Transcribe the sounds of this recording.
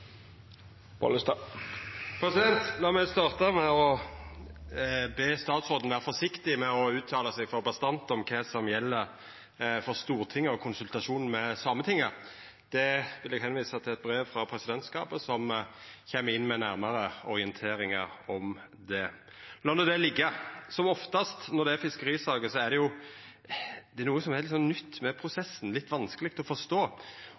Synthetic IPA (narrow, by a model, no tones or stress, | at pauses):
b̥ɔ̰ləst̪ɑ | pʰɾɛsɪd̪ɛnt̪lɑːmæst̪ɑːʁt̪əmɛɔ | beːst̪ɑːt̪sʁoːd̪n̩ʋæːʁəfɔʂɪkt̪ɪmɛɔʉːt̪ʰːɑːləsɛɡfɔɾbɑst̪ɑnt̪ɔmkʰɛsɔmjɛlːəɾ | fɔʁst̪uːʁt̪ʰɪŋːəɔkʰʊnsʉlt̪ɑʂuːnn̩mɛsɑmːət̪ʰɪŋːə | d̪̥ɛʋɪlɛɡɦɛnʋiːsɑt̪ʰɪlɛt̪̚bɾeːfɾɑpʰɾɛsɪd̪ɛnt̪skɑ̰ːpəsɔmçɛmːəɪnːmɛnæɾməɾəɔɾɪənt̪ʰeːɾɪŋɑɾɔm | d̪ɛ | lɑnɔd̪ɛlɪɡːəsɔmɔft̪ɑst̪nɔd̪ɛæɾfɪskəɾiːsɑːɡəsɔæʁd̪ɛjʊ | d̪̥ɛɾnuːəsɔmɛhɛɪlsɔnːnʏt̪ːmɛpʰɾʊsɛsːn̩lɪt̪ːʋɑnskəlɪk̚t̪ɔfɔʂt̪oː